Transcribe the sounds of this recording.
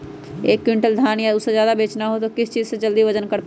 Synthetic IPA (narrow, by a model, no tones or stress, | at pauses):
eːkːwɪɳʈəld̪ʱaːnjaʊsːẽd͡ʒjaːd̪abeːt͡ʃnaɦot̪okɪst͡ʃiːzsẽd͡ʒəld̪iʋəd͡ʒənkəɾp